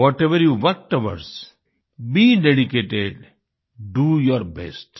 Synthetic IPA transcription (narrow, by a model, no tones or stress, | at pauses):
ɔːʈeʋəɾjuːʋʌʈəʋə̰ɾs | biːɖeɖikeːʈeɖ | ɖujɔɾbɛ̰sʈ